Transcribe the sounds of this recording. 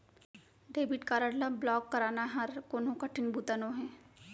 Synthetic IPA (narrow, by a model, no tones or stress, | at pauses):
ɖeːbɪʈkaːɾəɽlɐblɔːkːɐɾaːnaɦɐɾkoːnõkɐʈʰɪnbuːt̪ənõɦɛ̃ː